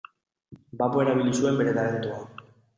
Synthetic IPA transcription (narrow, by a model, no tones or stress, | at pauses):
bapoeɾaβ̞ilisue̞mbe̞ɾe̞t̪aɾe̞nt̪ua